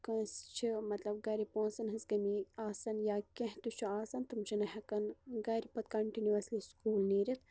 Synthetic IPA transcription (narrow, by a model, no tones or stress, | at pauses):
kɐ̃nst͡ʃʰimɐt̪lɐbɡɐɾipõːnsɐnɦɨsɡɐmiaːsɐnjaːkʲẽɦt̪ut͡ʃʰuaːsɐnt̪ɨmt͡ʃʰinɐɦɐkɐnɡɐɾipɐt̪̚kɐɳʈinuʋɐsliskuːlniːɾʲit̪